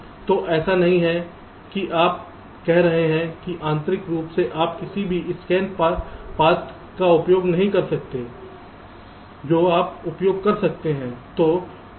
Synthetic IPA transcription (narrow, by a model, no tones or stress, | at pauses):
t̪oːʔɛːsanɐɦĩɦɛ | kiʔaːp̚ | kɛɦɾɐɦeɦɛ̃kiʔãːnt̪ɾɪkɾuːpseʔaːpkɪsibʱiɪskɛːnpɐɾpaːt̪ | kaʊpjoːɡnɐɦĩkɐɾsɐk̚t̪eː | d͡ʒoːaːpʊpjoːɡ̚kɐɾsɐk̚t̪eɦɛ̃ːt̪oː